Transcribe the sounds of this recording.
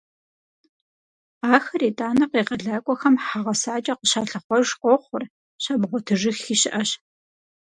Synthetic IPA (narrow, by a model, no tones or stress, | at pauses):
aːxɐriːtʼaːnɐqeːqɐɮaːkʷʼɔxɐmħaʁɐsaːt͡ʃʼɐqəʃaːɬɐχʷɔʒqʷɔχʷʊr | ʃaːbʁʷɔtʰɨʒɪxiːɕɪʔɐɕ